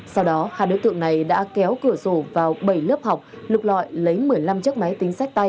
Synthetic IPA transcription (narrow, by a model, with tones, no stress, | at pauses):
sa˧wɗɔ˨˦ha̰ː˧˨˩ɗo̰˧˦jt̪ɨ̰˧˨əŋna˨˩jɗa̰ː˧˥kɛ˨˦wkɨ˧˩əzo˧˩vaː˨˩wɓə˧˩jləː˦˥p̚ha˨˩wk͡p̚ | lk͡p̚lɔ̰˧˨jlə˨˦jmɨ˨˩əjla˧mt͡ɕɨ˦˥k̚ma˨˦jt̪ï˨˦ŋ̟sa˦˥k̟̚t̪a˧j